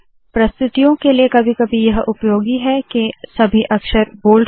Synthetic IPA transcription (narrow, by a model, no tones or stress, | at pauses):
pɾɐst̪ɪt̪ijõkeliekɐbʱikɐbʱijɐɦʔʊpjoːɡiɦɛkesɐbʱiʔɐkʃəɾboːl